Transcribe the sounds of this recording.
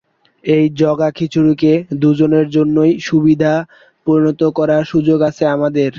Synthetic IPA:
ejd͡ʑɔɡakʰit͡ɕʰuɾuked̪ud͡ʑoneɾd͡ʑonːojʃubid̪ʱa | pɾoɾinot̪okɔɾaɾʃud͡ʑoɡat͡ɕʰeamad̪eɾ

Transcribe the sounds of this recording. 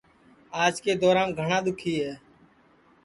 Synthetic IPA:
aːd͡ʒkeːd̪ɔːɾãːnɡʱəɳãːɗ̪ʊkʰiːɦɛː

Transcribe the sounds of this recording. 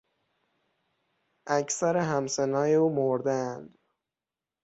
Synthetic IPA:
ʔæcsæɾeɦæmsenɒːjeuːmoɾd̪æænd̪

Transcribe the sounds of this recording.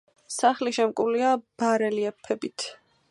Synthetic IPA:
saχliʃɛmkʼuliab̥aɾɛliɛpʰɛbit̪ʰ

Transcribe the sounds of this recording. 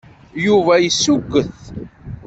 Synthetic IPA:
juvæjəsːuɡːəθ

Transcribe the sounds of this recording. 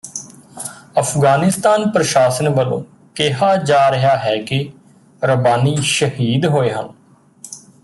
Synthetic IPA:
əpʰɡaːnɪst̪aːnpɾəʃaːsənʋəlõ̰ː | keɦaːd͡ʒaːɾɪɦaːɦɛːkɪ | ɾəbaːniːʃəhiːd̪ɦoːeːɦən

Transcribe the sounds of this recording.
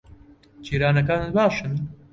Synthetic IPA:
t͡ʃiːɾaːnɐkaːnɨt̪bɑːʃɨn

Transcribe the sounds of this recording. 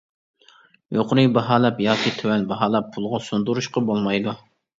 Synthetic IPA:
joqɾɨjbɑɦɑːlˠɛpjɑːkʲit̪ʰywɛnbɑɦɑːlˠɛpʰːulˠʁɑsund̪uɾuʃqɑbolˠmɑjd̪u

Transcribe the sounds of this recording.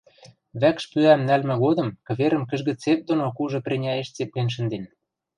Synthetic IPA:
βækʃpyæmnælmɘ̆ɣod̪ɤ̆mkɤ̆βeɾə̆mkə̆ʒɣə̆t͡sep̚d̪onokuʒɤ̆prʲenʲɑeʃt͡sep̚lenʃ̬ə̆nd̪en

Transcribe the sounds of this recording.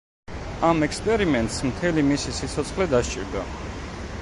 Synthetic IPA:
amɛkspʼɛɾimɛnt̪ʼsmt̪ʰɛlimisisit̪sʰɔt̪sʰχlɛd̪aʃt͡ʃʼiɾd̪a

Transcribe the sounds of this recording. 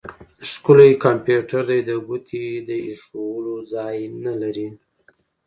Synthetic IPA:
skulajkampjuʈaɾd̪ajd̪əɡut̪ʰid̪əiʂowəlod͡zɑjnalaɾi

